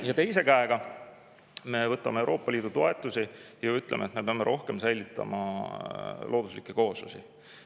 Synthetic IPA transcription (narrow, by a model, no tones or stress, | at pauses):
jɑt̪e̞jse̞kæeɡ̥ɑ | me̞vɤt̪ːˑɑmeewɾʔo̞ːpːˑɑlʲiːd̪ut̪o̞e̞t̪ːˑusijɑyt̪ˑlemet̪me̞peɑmːeɾo̞hke̞msæjlʲit̪ːˑɑ̰mɑ̰ | lʔo̞ːd̪̥uslikːˑeko̞ːsusḭ